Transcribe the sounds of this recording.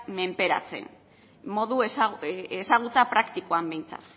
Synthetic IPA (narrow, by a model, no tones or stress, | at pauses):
me̞mpe̞ɾa̰t͡se̞̰n | mo̞ðuesesaɣ̞ut͡sapɾakt̪ikoambe̞jnt͡sa̰t̪